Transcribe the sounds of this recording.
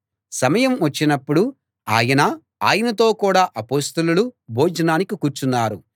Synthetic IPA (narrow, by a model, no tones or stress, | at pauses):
sɐmɐjɐmʋɐt͡ʃːinɐpːuɽu | aːjɐnɐ | aːjɐnɐt̪̬o̞ːkuːɽaːʔɐpoːst̪ɐlulubʱoːd͡ʒɐnaːnikikuːɾt͡ʃunːaːɾu